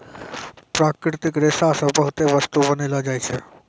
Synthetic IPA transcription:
pɾaːkɾɪɾt̪ɪkɾesasə̃bəɦʊt̪eʋəst̪ubənelad͡ʒaːjt͡ʃʰe

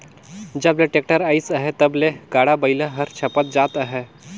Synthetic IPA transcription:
d͡ʒəbleʈeːk̚ʈəɾaːisəɦet̪ɐbleɡaːɽabəɪlaɦəɾt͡ʃʰɐpət̪̚d͡ʒaːt̪əɦe

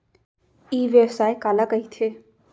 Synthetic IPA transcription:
iːʋeɛsaːekaːlakɐit̪ʰeː

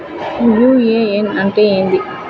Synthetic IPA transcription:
juːeenɐɳʈeːeːnd̪i

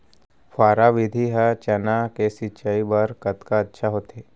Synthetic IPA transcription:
pʰaːɾaʋɪd̪ʱiɦɛt͡ʃɐnakesɪt͡ʃəibɐɾkɐt̪kaɐtːʃʰaɦoːt̪eː

